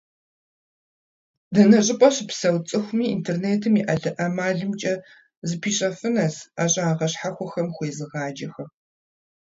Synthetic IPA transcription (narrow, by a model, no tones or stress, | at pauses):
dɐnɐɕʼɪpʼɐɕpsɐwt͡sʼɨxʷʊmiːintʰerneːtʰɨmiːʔɐɮɨʔɐmaːɮɨmt͡ʃʼɐ | zɨpʰiːɕʼɐfɨnɐsaːɕʼaːʁɐɕħaxʷɔxɐmxʷeːzɨʁɑːd͡ʒɐxɐ